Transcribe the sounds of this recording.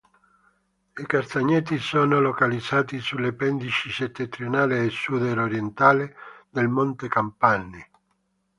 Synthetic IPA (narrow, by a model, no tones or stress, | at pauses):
ikast̪aɲːɛt̪isɔːnolokalid̪z̥aːt̪isulepɛnd̪it͡ʃiset̪ːent̪ɾjonaːleːsːud̪eɾoɾjent̪aːled̪elmont̪ekampanːi